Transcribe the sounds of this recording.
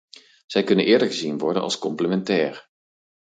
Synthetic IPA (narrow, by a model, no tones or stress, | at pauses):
z̥ɛjkɵnənɪːɹdəɹɣəzinʋɔɹdənʔɑ̰lˠskɔmpləmɛntɛːɹ